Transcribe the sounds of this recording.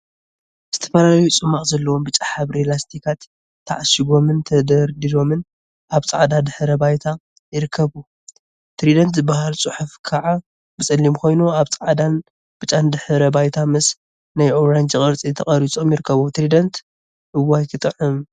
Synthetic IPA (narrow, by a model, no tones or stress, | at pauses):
z̥ɨt̪ʰɐ̥fɐlalɐjut͡sʼɨmːaχʼzɐlːɐwo̞mbɨt͡ʃʼaħaβɾelast̪ʰikʰat̪ʰː | aʕaʃiɡo̞mɨnt̪ʰɐd̪ɐɾd̪ilo̞mɨn | ʔaβt͡sʼaʕd̪ad̪ɨħɨɾɐbajt̪ʰa | jɪɾɨkʰːɐβu | t̪ɾid̪ɐnt̪zɨbahalt͡sʼɨħufkʰaʕa | bɨt͡sʼɨlːimkʰo̞jnuaβt͡sʼaʕad̪an | b̥ɨt͡ʃʼand̪ɨħɨɾɐbajt̪ʰamɨs | najʔoɾand͡ʒɨkʼɨɾt͡sʼit̪ʰɐχʼɐɾit͡sʼo̞mjɪɾɨkʰːɐβut̪ɾid̪ɐnt̪ | ʔɨwːajkʰɨt̪ʼɨʕɨm